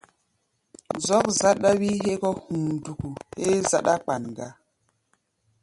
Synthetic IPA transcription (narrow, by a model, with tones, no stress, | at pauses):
zɔ˦k̚za˦ɗa˦wi˦ɦe˦kɔ˦hũ˨du˨ku˨he˦za˦ɗa˦k͡pa˨nɡa˦